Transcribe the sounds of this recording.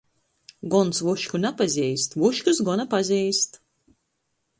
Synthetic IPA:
ɡɔnsvuʃkʲunapazʲijst̪vuʃkʲus̬ɡɔnapazʲijst̪

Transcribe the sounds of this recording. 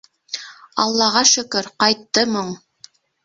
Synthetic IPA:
ɑ̰lˠːɑʁɑʃɵ̆kɵɾqɑjt̪ːɤmɤɴ

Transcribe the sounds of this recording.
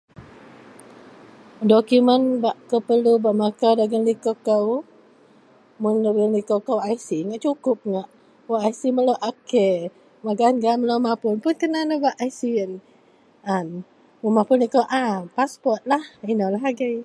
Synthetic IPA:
dokumənbaʔkəpəlubaʔmakawdaɡənlikokəw | mʊndaɡənlikokawaisiŋaʔt͡ʃukʊp̚ŋaʔ | waʔajsiməlowʔake | maɡanɡaməlomapʊnpʊnkənanəbaʔajsiən | an | munmapʊnlikawʔapaspɔrt̪̚lahinɔlaɦaɡəj

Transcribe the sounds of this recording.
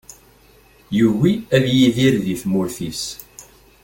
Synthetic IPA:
jəwiæðjiðiɾðiθmʊɾθis

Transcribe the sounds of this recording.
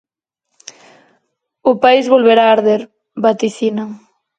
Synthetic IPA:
ʊpaizβolβeɾaːɾðeɾ | bat̪iθinɐ

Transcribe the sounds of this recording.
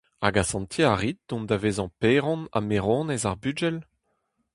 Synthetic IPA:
aɡasɑ̃nt̪ʰjeaʁit̪̚d̪̥ɔ̃md̪aveːzɑ̃peːʁɔ̃na̰meʁɔ̃ːnɛzaʁbyd͡ʒɛl

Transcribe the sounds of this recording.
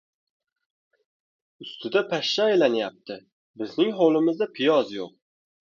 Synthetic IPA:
ʊst̪ʰɪd̪apʰaʃːaːjlanjap̚t̪ʰɪ | bɪznɪŋɦolˠɪmɪzd̪apʰɪjɒzjoq̚

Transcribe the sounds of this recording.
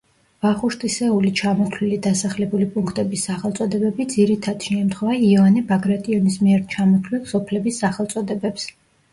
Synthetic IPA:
v̥aχuʃt̪ʼisɛulit͡ʃʰamɔt̪ʰlilid̪asaχlɛbulipʼuŋkʰt̪ʼɛbisːaχɛlˠt̪sʼɔd̪ɛbɛbid̪ziɾit̪ʰad̪̥ʃɛmt̪ʰχwɛvaiɔvanɛbaɡɾat̪ʼiɔnismiɛɾt͡ʃʰamɔt̪ʰlilˠsɔpʰlɛbisːaχɛlˠt̪sʼɔd̪ɛbɛps

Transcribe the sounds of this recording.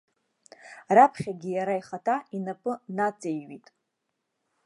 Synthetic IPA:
rapʰχʲaɡʲijaɾajχatʰainapʼɨnat͡sʼejɥitʼ

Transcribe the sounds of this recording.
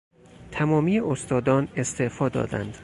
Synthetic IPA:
t̪ʰæmɒːmiːeʔost̪ɒːd̪ɒːne̞st̪ʰeʔfɒːd̪ɒ̰ːd̪æ̰nd̪̥

